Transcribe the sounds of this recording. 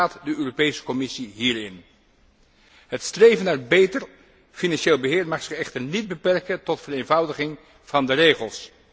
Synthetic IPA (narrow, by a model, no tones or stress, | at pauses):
aːtdəøːropejsə̥kɔmɪsiɦiːɹɪn | ɦətstrejvənaːɹbejtəɹ | finɑnʃeːlˠbəɦɪːɹmaːχsɪχɛχtəɹnid̚bəpɛrkəntɔtfəɾejnvʌwdəχɪŋ | v̥ɑndərejχəlˠs